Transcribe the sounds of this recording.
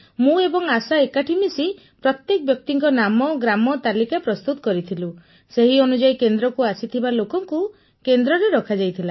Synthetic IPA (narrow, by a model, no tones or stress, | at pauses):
mũebɔŋasaekaʈʰimisi | pɾɔt̪jekɔbjɔk̚t̪iŋkɔnamɔɡɾamɔt̪alikapɾɔst̪ut̪ɔ̥kɔɾit̪ʰilu | seɦiɔnud͡ʒajkend̪ɾɔkuasit̪ʰibalokɔŋku | kend̪ɾɔɾeɾɔkʰad͡ʒajt̪ʰila